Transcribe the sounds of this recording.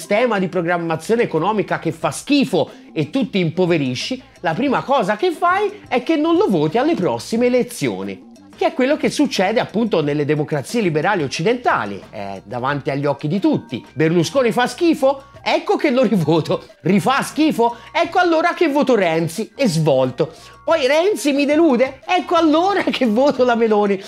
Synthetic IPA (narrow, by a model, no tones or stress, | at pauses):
st̪ɛːmad̪ipɾoɡɾamːat̪sːjoːneekonɔːmikak̟efːask̟iːfo | et̪ːut̪ːiːmpoveɾiʃːi | lapɾiːmakɔːzakefːajɛkːenːonlovoːt̪ialːepɾɔsːimeːlet̪sːjo̰ːnḭ | k̟eɛkːwelːok̟esːut͡ʃːɛːd̪eapːunt̪onelːed̪emokɾat̪siːelibeɾaːliot͡ʃːid̪ent̪a̰ːlḭɛ̰d̪a̰vant̪iaʎːiɔk̟ːid̪it̪ut̪ːḭberluskoːnifaskiːfoɛkːok̟elːoɾivoːt̪o | rifask̟iːfoɛkːoalːoːɾak̟evːoːt̪oɾɛnt̪siɛzvɔlt̪o | pɔjɾɛnt̪simid̪eluːd̪eɛkːoalːoːɾakʰevːoːt̪olameloːni